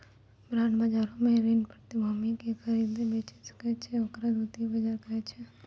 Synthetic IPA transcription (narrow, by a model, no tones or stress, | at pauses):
bɾaːnbad͡ʒaːɾõmẽɾinpɾət̪ibʱumikexəɾid̪ebet͡ʃesɐ̥kɛt͡ʃʰɛokɾad̪uːt̪ibɐd͡ʒaɾkɐɛt͡ʃʰɛ